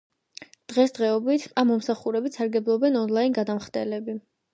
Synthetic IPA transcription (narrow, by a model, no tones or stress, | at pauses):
d̪̥ʁɛsd̪ʁɛɔbit̪ʰamːɔmsaχuɾɛbit̪saɾɡɛblˠɔbɛnɔnlˠainɡad̪amχd̪ɛ̰lɛbi